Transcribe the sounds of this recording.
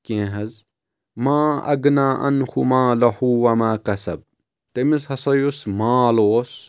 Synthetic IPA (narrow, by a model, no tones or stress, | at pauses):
kẽːɦɐz | maːɐ̰ɡnaːʔɐ̰nxumaːlɐhuːwɐmaːkɐsɐ̰b̚ | t̪emishɐsɐjosmaːloːs